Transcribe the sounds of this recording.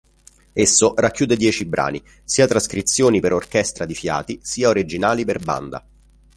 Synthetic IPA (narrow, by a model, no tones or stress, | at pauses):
esːorakːjuːd̪ed̪jɛːt͡ʃibɾʔa̰ːni | siːat̪ɾaskɾit̪sːjoːnipeɾorkɛst̪ɾad̪ifja̰ːt̪isiːaoɾid͡ʒinaːliperba̰nd̪a̰